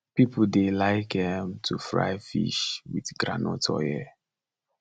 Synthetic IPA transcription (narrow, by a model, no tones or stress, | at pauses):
pipl̩delaɪkhɛ̃mtʰufɹa̰ɪfḭʃwiθɡɹa̰nɔtʰɔ̰jɛ